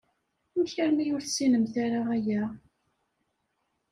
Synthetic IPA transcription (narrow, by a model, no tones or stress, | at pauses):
mçæɾmijʊɾθsinəmθaɾaʁæjæ